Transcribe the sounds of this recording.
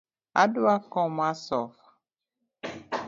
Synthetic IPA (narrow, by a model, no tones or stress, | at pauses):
a̰duakɔmasɔfḁ